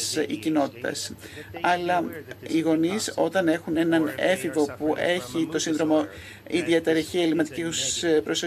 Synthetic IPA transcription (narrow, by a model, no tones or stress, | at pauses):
sḭcino̞t̪i̥t̪ɐ̰s | ɐlɐiɣo̞niso̞t̪ɐne̞xune̞nɐne̞fivo̞puʔe̞çit̪o̞sinðɾo̞mo | iðiet̪eɾeçielimɐt̪icispɾoso